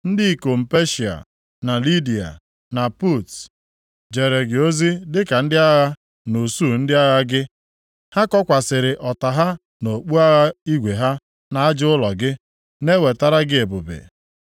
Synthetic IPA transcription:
n̩˦dɪ˦i˨ko˨m̩˨pe˦ʃi˨a̰˨ | na˨li˦di˨a̰˨ | na˨pu˦˨t | d͡ʒe˨ɾe˨ɡɪ˨o˦zi˦dɪ˦ka˨n̩˦dɪ˦a˦ɣa˦ | no˨su˦˨n̩˦dɪ˦a˦ɣa˦ɡɪ˦ | ha˦kɔ˦kʷa˨sɪ˨ɾɪ˨ʔɔ˨ta˨ɦa˦ | no˨k͡pu˦a˦ɣa˦i˦ɡʷe˨ɦa˦ | na˨a˦d͡ʒʊ˦lɔ˨ɡɪ˦ | ne˦we˨ta˦ɾa˦ɡɪ˦e˨bʊ˨bḛ˨

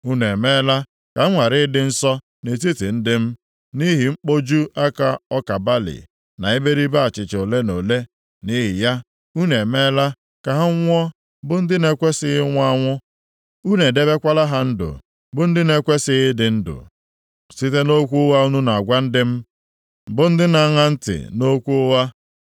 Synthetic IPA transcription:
u˦ne˨me˦la˦ | ka˨˦ŋʷa˨ɾɪ˦dɪ˦n̩˦sɔ˦ | ne˨t̬i˦ti˨n̩˦dɪ˦m̩˦ | ni˦ɦi˨ŋ͡m̩˦k͡po˦d͡ʒu˦a˦ka˦ɔ˦ka˨ba˦lḭ˨ | na˨e˦be˦ɾi˦ba˦a˨t͡ʃɪ˨t͡ʃo˨le˦no˨le˦ | ni˦ɦɪ˨ja˦ | u˦ne˨me˦la˦ | ka˨ɦa˦ŋ̩ʷ˦ɔ˦ | bʊ˦n̩˦dɪ˦ne˦kʷe˦sɪ˦ɣɪ˦ŋʷ˦a˦ŋʷʊ˦ | u˦ne˨de˦be˦kʷa˦la˦ɦa˦n̩˦dʊ̰˨ | bʊ˦n̩˦dɪ˦ne˦kʷe˦sɪ˦ɣɪ˦dɪ˨n̩˦dʊ̰˨ | si˦te˦no˦kʷu˦ʊ˦wa˦u˦nu˦na˨a˨ɡʷa˦n̩˦dɪ˦m̩˦ | bʊ˨n̩˦dɪ˦na˨˦ŋa˦n̩˦tɪ̰˨no˦kʷu˦wa˦

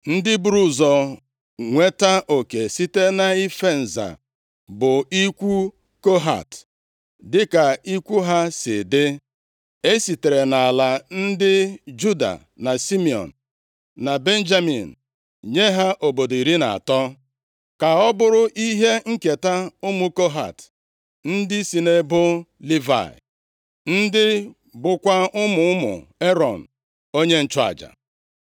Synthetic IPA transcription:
n̩˦dɪ˦bɾu˦zɔ˨ | ŋʷe˦ta˦ʔo˨ke˨si˦te˦na˨i˦fe˦˨n̩˨za̰˨ | bʊ˨i˦kʷu˦ | ko˦ɦa̰˨t | dɪ˦ka˨i˦kʷu˦ɦa˦sɪ̰˨de˦ | e˦si˨te˨ɾe˨na˨la˨n̩˦dɪ˦d͡ʒu˦da̰˨ | na˨si˦mi˨ɔ̰˨n̩˨ | na˨be˦n̩˦d͡ʒa˦mḭ˨n̩˨ | ɲe˦ɦa˦ʔo˨bo˨do˨i˨ɾi˦na̰˨a̰˨tɔ˦ | ka˨ɔ˦bʊ˦ɾʊ˦ʔi˦ɦe˦ŋ̩˦ke˨ta˦ʊ˦mu˦ko˦ɦa̰˨t | n̩˦dɪ˦si˨ne˦bʊ˦li˦va̰˨ɪ̰˨ | n̩˦dɪ˦ | bʊ˦kʷa˦ʊ˦mʊ˨ʊ˦mʊ̰˨e˦ɾɔ˨n̩˨ | o˦ɲe˦n̩˦t͡ʃʊ˦a̰˨d͡ʒa̰˨

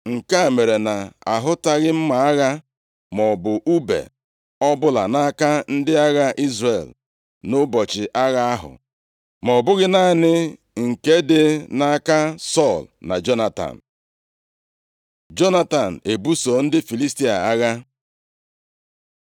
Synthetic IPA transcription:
ŋ̩˨ka˦˨me˨ɾe˨na˨a̰˨ɦʊ˦ta˦ɣɪ˦m̩˦ma˨a˦ɣa˦ | mɔ˨bʊ˨ʔu˦bḛ˨ | ɔ˦bʊ˦la̰˨na˦a˦ka˦n̩˦dɪ˦a˦ɣa˦ʔi˦zre˨l | nʊ˦bɔ˨t͡ʃɪ˨ʔa˦ɣa˦a˦ɦʊ̰˨ | mɔ˨bʊ˦ɣɪ˦na˦˨nɪ˦ | ŋ̩˨ke˦dɪ˦na˦ka˦sɔ˦˨lna̰˨d͡ʒo˦na˦˨ta̰˨n̩˨ | d͡ʒo˦na˦ta˨n̩˨e˨bu˦so˨n̩˦dɪ˦fi˨li˦sti˦a̰˨a˦ɣa˦

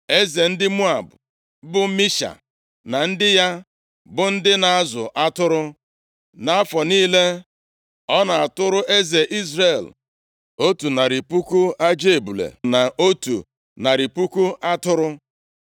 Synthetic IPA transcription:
e˦ze˨n̩˦dɪ˦mu˦a˨bʊ˨ | bʊ˦mi˦ʃa̰˨ | na˨n̩˦dɪ˦ja˦ | bʊ˨n̩˦dɪ˦na˨a˦zʊ˨ʔa˦tʊ˦ɾʊ˦ | na˨a˦fɔ˨niː˦le˦ | ɔ˦na˨a˨tʊ˦ɾʊ˦ʔe˦ze˨ʔi˦zre˦˨l | o˦tu˨na˨ɾi˨pu˦ku˦a˦d͡ʒe˦˨bu˨lḛ˨na˨ʔo˦tṵ˨ | na˨ɾi˨pu˦ku˦a˦tʊ˦ɾʊ˦

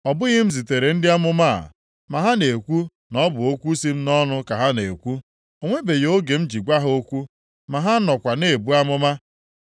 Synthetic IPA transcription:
ɔ˨bʊ˦ɣɪ˦m̩˦zi˨te˨ɾe˨n̩˦dɪ˦a˦mʊ˦ma˦a̰˨ | ma˨ɦa˦ne˨kʷu˦ | nɔ˦bʊ˨o˦kʷu˦si˦m̩˦nɔ˦nʊ˦ka˨ɦa˦ne˨kʷu˦ | o˨ŋʷe˦be˨jo˦ɡe˨m̩˦d͡ʒi˨ɡʷa˦ɦo˦kʷu˦ | ma˨ɦa˦nɔ˨kʷa˨ne˦˨e˨bu˦a˦mʊ˦ma˦

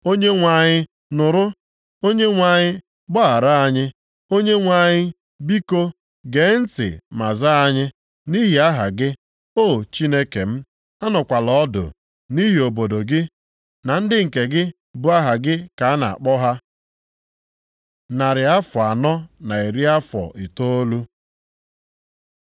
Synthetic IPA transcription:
o˦ɲe˦ŋʷa˨ɲɪ˦ | nʊ˨ɾʊ˦ | o˦ɲe˦ŋʷa˨ɲɪ˦ | bɔ˦a˨ɾa˦a˦ɲɪ˦ | o˦ɲe˦ŋʷa˨ɲɪ˦ | bi˦ko˦ | ɡe˨˦n̩˦tɪ̰˨ma̰˨za˦a˦ɲɪ˦ | ni˦ɦi˨a˦ɦa̰˨ɡɪ˦ | o˦˨t͡ʃi˦ne˦kḛ˨m̩˦ | a˦nɔ˨kʷa˨lɔ˨ɔ˦dʊ̰˨ | ni˦ɦi˨o˨bo˨do˨ɡɪ˦ | na˨n̩˦dɪ˦ŋ̩˨ke˨ɡɪ˦ | bʊ˦a˦ɦa˨ɡɪ˦ka˨˦na̰˨a̰˨k͡pɔ˦ɦa˦ | na˨ɾɪ˨a˦fɔ˨a˨nɔ˦na˨i˨ɾi˦a˦fɔ̰˨ʔi˨to˦o˦lu˦

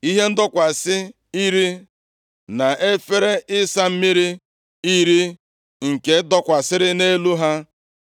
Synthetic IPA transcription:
i˦ɦe˦n̩˦dɔ˦kʷa˨sɪ˦ | i˦ɾi˦ | na˨e˦fe˦ɾe˦ʔɪ˦sa˦m̩˦mi˦ɾi˦ | i˦ɾi˦ | ŋ̩˨ke˨˦dɔ˦kʷa˨sɪ˦ɾɪ˦ne˦lu˦ɦa˦

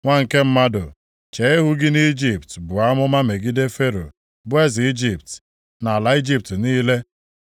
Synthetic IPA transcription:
ŋʷa˦ŋ̩˨ke˦m̩˦ma˦dʊ˨ | t͡ʃe˨˦ɪ˦ɦʊ˦ɡɪ˦ni˦d͡ʒi˨p̚tbʊ˨a˦mʊ˦ma˦me˨ɡɪ˦de˦fe˦ɾo̰˨ | bʊ˦e˦zi˦d͡ʒi˨p̚t | na˨la˨˦i˦d͡ʒi˦˨p̚tniː˦le˦

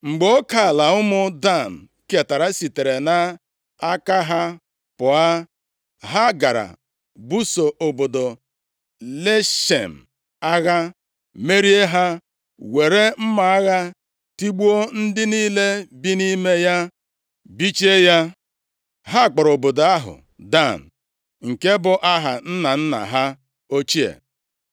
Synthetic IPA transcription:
ŋ͡m̩˨ɡ͡bo˦ka˨la˨ʊ˦mʊ˦da˦˨n̩˨ | ke˨ta˨ɾa˦si˨te˨ɾe˨na˦ | a˦ka˦ɦa˦ | pʊ˨a˦ | ɦa˦ɡa˨ɾa̰˨ | bu˦so˨ʔo˨bo˨do˨ | le˦ʃḛ˨m̩˨ | a˦ɣa˦ | me˦ɾi˦e˦ɦa˦ | we˨ɾe˦m̩˦ma˨a˦ɣa˦ | ti˦ɡ͡bu˦o˦n̩˦dɪ˦niː˦le˦bi˦ni˦me˦ja˦ | bi˦t͡ʃe˦ja˦ | ɦa˦˨k͡pʊ˨ɾo˨bo˨do˨a˦ɦʊ̰˨ | da˦˨n̩˨ | ŋ̩˨ke˦bʊ˨ʔa˦ɦa˨n̩˦na˨n̩˦na̰˨ɦa˦ | o˦t͡ʃi˦ḛ˨

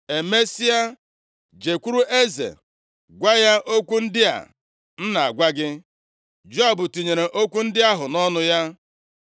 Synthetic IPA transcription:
e˨me˦si˦a˦ | d͡ʒe˨kʷu˦ɾu˦ʔe˦zḛ˨ | ɡʷa˦ja˦ʔo˦kʷu˦n̩˦dɪ˦a̰˨ | n̩˦na˨a̰˨ɡʷa˦ɡɪ˦ | d͡ʒo˦a˦˨bʊ˨ti˨ɲe˨ɾe˨ʔo˦kʷu˦n̩˦dɪ˦a˦ɦʊ˨nɔ˦nʊ˦ja˦

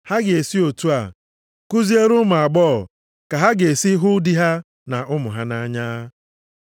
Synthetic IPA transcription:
ha˦ɡɪ˨e˨si˦o˨tu˦a̰˨ | ku˦zi˦e˦ɾʊ˦mʊ˨a˨ɡ͡bɔː˦˨ | ka˨ɦa˦ɡe˨si˦ɦʊ˦di˦ɦa˦ | na˨ʔʊ˦mʊ˨ɦa˦na˦ɲa˦

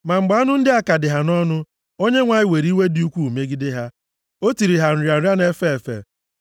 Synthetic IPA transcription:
ma˨ŋ͡m̩˨ɡ͡ba˨˦nʊ˦n̩˦dɪ˦a˦ka˨dɪ˨ɦa˨nɔ˦nʊ˦ | o˦ɲe˦ŋʷa˨ɲɪ˨we˨ɾi˦we˦di˦u˦kʷu˦˨me˦ɡɪ˦dɪ˦ɦa˦ | o˦ti˨ɾi˨ɦa˨n̩˨ɾja˨˦ja˦ne˦fe˦e˨fḛ˨

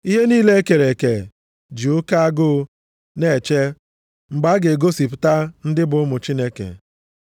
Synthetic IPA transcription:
i˦ɦe˦niː˦le˦e˦ke˨ɾe˨ke˨ | d͡ʒu˨˦ʊ˦ka˦a˦ɡʊ˦ | ne˨t͡ʃe˦ | ŋ͡m̩˨ɡ͡ba˦ɡe˨ɡo˦si˨pʊ˨ta˦n̩˦dɪ˦bʊ˨ʊ˦mʊ˨t͡ʃi˦ne˦kḛ˨

